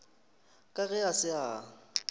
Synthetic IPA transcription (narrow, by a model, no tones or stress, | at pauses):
kʼaɣɛasɪa